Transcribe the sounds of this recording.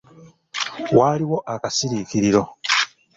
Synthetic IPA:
waːliwo̞ʔakasiɾikiɾiɾo̞

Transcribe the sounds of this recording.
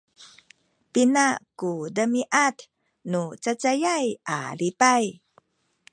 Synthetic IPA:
pinakudəmiʔat | nut͡sat͡sajaja̰lipaj

